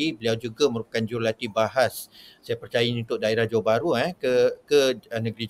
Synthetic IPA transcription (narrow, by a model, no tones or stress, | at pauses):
ibəliawd͡ʒuɡaməɾupḁkand͡ʒuɾlat̪ibaɦasːajapərt͡ʃajainunt̪ʊʔ̚daeɾahd͡ʒawabaɾuɛkəkəənə̃ɡɾi